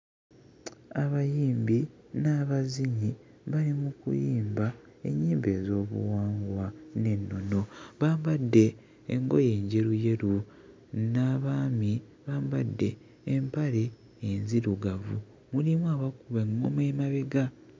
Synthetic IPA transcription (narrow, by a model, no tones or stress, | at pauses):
aβajiːmbi | naːβaziɲi | βalimukṵjiːmba | e̞̰ɲːiːmbe̞ːzo̞ːβṵwaːŋɡwane̞nːo̞no̞βaːmbadːe̞̰ː | ŋɡo̞̰je̞ːɲɟe̞ɾuje̞ɾu | naːβaːmi | βaːmbadːe̞ː | mpaɾe̞ː | nziɾuɡavṵ | mulimwaβakuβeŋːomemaβeɡa